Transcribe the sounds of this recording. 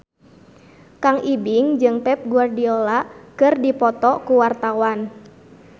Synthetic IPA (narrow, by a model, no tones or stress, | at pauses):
kaŋʔibiŋd͡ʒɨŋpɛp̚ɡuardiɔlaʔkɨrdipɔt̪ɔkuwart̪awan